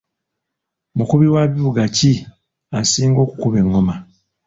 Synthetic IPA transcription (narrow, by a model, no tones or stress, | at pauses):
mukuβiwaβiβuɡaci | asiːŋɡo̞ːkukuβe̞ŋːo̞ma